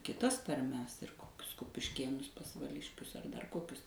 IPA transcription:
kʲɪˈtɐs tɐrʲˈmʲɛs ɪr ˈkoːkʲʊs kʊpʲɪʃʲˈkʲeːnʊs pɐsʋɐˈlʲɪʃʲkʲʊs ɐr dɐr ˈkoːkʲʊs

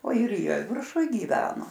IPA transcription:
oː ɪr ˈjiɛ ʋʲɪrˈʃʊj ɡʲiːˈʋʲæːnoː

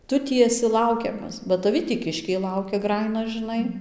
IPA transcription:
ˈtʊ ˈtʲiː ɛˈsʲɪ ˈlˠɐʊkʲɛmɐs bɐ tɐˈʋʲɪ tʲiː ˈkʲɪʃʲkʲɛɪ ˈlˠɐʊkʲɛ ˈɡrɑːjɪnɐ ʒɨˈnɐɪ

